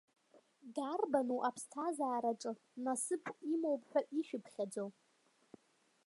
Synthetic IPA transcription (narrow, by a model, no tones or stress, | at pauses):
darbanuʔapʰstʰazaːɾaʈ͡ʂʼɨ | nasɨpʰimowpʼħʷᶣaʔiʃᶣɪpʰχʲad͡zow